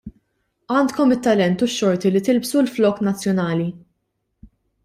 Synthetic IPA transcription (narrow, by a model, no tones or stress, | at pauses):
ɐːnt̪kɔmɪt̪ːɐlɛnt̪ʊʃːɔɾt̪ilit̪ɪlbsulflɔːknɐt͡sːjɔnɐːli